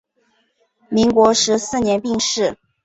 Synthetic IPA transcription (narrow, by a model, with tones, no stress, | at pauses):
mi˧˥ŋkwɔ˧˥ʂɻ̩˧˥sɹ̩˥˩njɛ˧˥npi˥˧ŋʂɻ̩˥˩